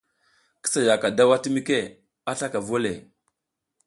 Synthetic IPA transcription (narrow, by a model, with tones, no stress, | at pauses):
kə̥˦sa˨ja˨ka˨da˦wa˦ti˦mi˦ke˦˨ | a˦ɬa˦ka˨vo˦le˨